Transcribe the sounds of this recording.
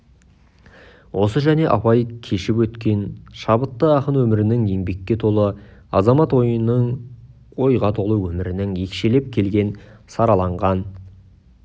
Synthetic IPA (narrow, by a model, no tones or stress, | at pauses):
wʔo̞səʒæne̞ʔɑ̰pɑjkʲʰe̞ʃɪpwɵt̪kʲe̞nʃɑbət̪ːəɑqənwɵmɪɾɪnɪŋe̞ŋbe̞kʲːe̞t̪ʰo̞lˠəɑzɑmɑt̪wo̞jənːəɴ | o̞jʁɑt̪ʰo̞lˠəwɵmɪɾɪnɪŋje̞kʲʃe̞le̞p̚kʲʰe̞lɡʲe̞nsɑɾɑlˠɑɴʁɑn